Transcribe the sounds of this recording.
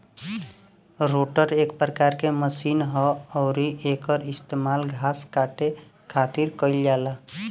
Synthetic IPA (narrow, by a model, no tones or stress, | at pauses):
ɾoːʈəɾeːkpɾəkaːɾkeməsiːnɦɔɔːɾiʔeːkɔɾɪst̪eːmaːlɡʱaːskaːʈe | kʰaːt̪ɪɾkəɪljaːlaː